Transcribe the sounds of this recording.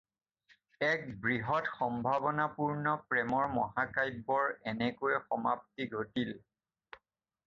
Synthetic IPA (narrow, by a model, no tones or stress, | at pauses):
ɛk̚bɹiɦɔtxɔmbʱabɔnapuɹnɔpɹɛmɔɹmɔɦakajbːɔɹɛnɛkoɹɛxɔmap̚tiɡʱotil